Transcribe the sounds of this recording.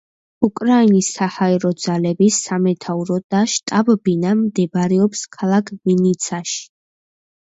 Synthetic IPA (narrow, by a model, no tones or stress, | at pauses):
ukʼɾainisːahaɛɾɔd̪zalɛbisamɛt̪ʰauɾɔd̪̥aʃt̪ʼabbinamd̪ɛbɾɛɔpskʰalˠakʰminit̪sʰaʃi̥